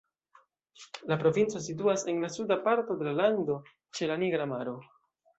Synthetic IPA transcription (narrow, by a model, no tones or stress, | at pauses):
lapɾo̞vint͡so̞s̬it̬uase̞nlasudapaɾto̞de̞lalando̞ | t͡ʃe̞laniɡɾamaɾo̞